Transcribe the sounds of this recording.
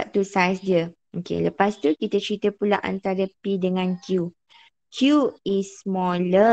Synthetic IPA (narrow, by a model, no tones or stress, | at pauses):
ʔt̪usajsdiə | okḛləpast̪ukit̪ət͡ʃɾit̪əpulaʔa̰nt̪aɾəpidəŋãnkju | kʰjuismɔlə